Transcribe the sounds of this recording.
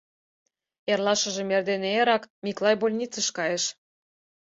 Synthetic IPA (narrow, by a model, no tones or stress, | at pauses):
erlˠɑʃə̆ʒĕmerd̪eneeɾɑkmʲiklˠɑjbolʲnʲit͡sə̆ʃkɑjĕʃ